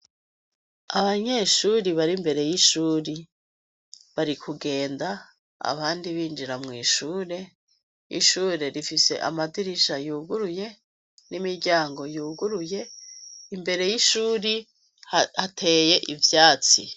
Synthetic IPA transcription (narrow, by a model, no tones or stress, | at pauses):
aβaɲe̞ʃuːɾiβaɾimbe̞ɾe̞jiʃuːɾi | βaɾikʰuɡe̞ːnda | a̰βaːndiβiːnd͡ʒiɾamŋiːʃuːɾe̞ | ḭʃuːɾe̞ɾifise̞̰ʔa̰madiɾiʃajuːɡuɾuje̞ | nimiɾɟaːŋɡo̞juːɡuɾuje̞imbe̞ɾe̞jiʃuːɾi | hatʰe̞ːje̞ʔivjaːt͡si